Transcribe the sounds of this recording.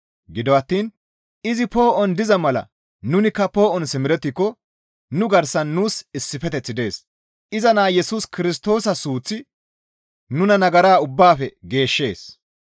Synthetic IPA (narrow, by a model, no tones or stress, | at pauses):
ɡɪd̪ɔɐt̪ːiːn | ɪzɪpo̞ːʔɔnd̪ɪzɐmɐlɐ̰ | nʊnɪkːɐpo̞ːʔɔnsɪmɪɾɛt̪ːɪkːɔ | nʊɡɐɾsɐnːuːsɪsːɪfɛt̪ɛt͡sːɪd̪e̞ːs | ʔɪzɐnaːjɛsuːskɪɾɪst̪o̞ːsɐsuːt͡sːɪ | nʊnɐnɐɡɐɾaːʊbːaːfɛɡe̞ːʃːe̞ːs